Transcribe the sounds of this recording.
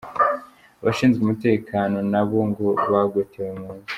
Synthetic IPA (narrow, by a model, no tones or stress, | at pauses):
βa̰ʃiːnzɡumute̞ːkʰaːno̞naβo̞ŋɡo̞βaɡwetewemŋuːnzi̥